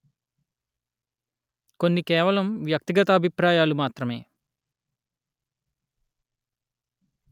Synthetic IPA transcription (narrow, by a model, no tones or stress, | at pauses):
ko̞nːikɛːʋɐlɐmʋjɐk̚t̪iɡɐt̪ɐːbʱipɾaːjaːlumaːt̪ɾɐme̞ː